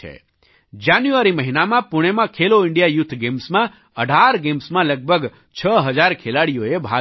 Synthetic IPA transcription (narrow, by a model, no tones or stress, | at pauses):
ḛ | d͡ʒanjuʋəɾiməɦinamãpʊɽ̃emãkʰeloɪɳɖijajʊt̪ʰːɡemsmã | əɖʱaɾɡemsmãləɡ̚bʱəɡ | t͡ʃʰəɦəd͡ʒaɾkʰelaɽijoebʱa